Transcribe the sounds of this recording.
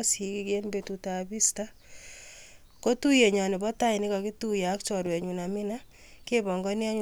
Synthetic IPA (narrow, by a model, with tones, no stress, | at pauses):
si˨ki˦ke˦nbe˨tuta˨bi˦sta˦ | ko˦tu˦je˨ɲɔ˨nɪ˨bɔ˦ta˦ɪ˨nɪ˦kɔ˨ki˦tu˦ja˨˦kt͡ʃɔ˨ɾwɛ˨ɲu˨na˨mɪ˦na˦ | ke˦bɔ˨ŋɡɔ˦nja˦ɲ